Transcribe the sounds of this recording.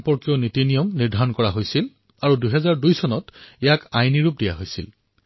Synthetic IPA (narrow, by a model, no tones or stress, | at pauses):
mpɔɹkijɔnitinijɔmniɹdʱaɹɔnkɔɹaɦojsil | aɹudujɦɛzaɹdujsɔnɔtɛjakajniɹup̚dija̰ɦojsḭl